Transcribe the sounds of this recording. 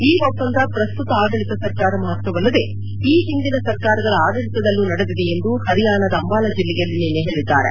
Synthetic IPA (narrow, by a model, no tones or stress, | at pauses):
iːʋɐpːɐnd̪ɐpɾɐst̪ut̪ɐaːɡɐɭit̪ɐsɐɾkaːɾɐmɐɦɐt̪ʋɐʋɐlːɐd̪e̞ | iːɦind̪inɐsɐɾkaːɾɐɡɐɭuaːɡɐɭit̪ɐd̪ɐlːunɐɽed̪id̪ee̞nd̪uhɐɾijaːnɐd̪ɐːmbaːlɐd͡ʒilːɛɡɐlːineːnːeɦeːɭid̪ːaːɾe